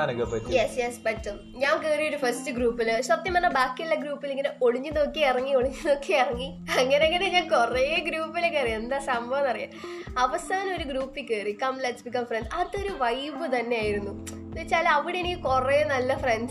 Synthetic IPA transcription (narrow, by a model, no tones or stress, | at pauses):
anɐŋɡepɐʈːjesjespɐtːum | ɲaːŋkeːrijuɾufɐstɨɡɾuːpːilʂɐt̪ːjɐmɐnːɐbaːkːilːɐɡɾuːpːileŋɡineoɽiɲːɨðokːeirɐŋːioɽiɲːɨnokːeirɐŋːi | ɐŋːɐneeŋːɡːɐneɲːakureɡɾuːpːilekːɐrijend̪aːsɐmbʱɐʋɐnɐrija̰ɐʋɐsaːnɐmo̞ɾuɡɾuːpːikʲːeːrikɐmleʈsbikɐmfrensɐɐrt̪ːɨoɾuʋɐjʋɨt̪ɐnːe̞aːjiɾunːu | it͡ɕːaːlɐʋiɽeenikʲːɨkureenɐlːɐfrenɖ